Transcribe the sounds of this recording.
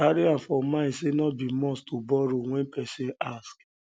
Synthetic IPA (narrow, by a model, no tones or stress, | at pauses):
aɾiãnfɔmãɪ̃senɔt̚bimɔ̃stʰobɔɾow̃ɛ̃npɛsĩask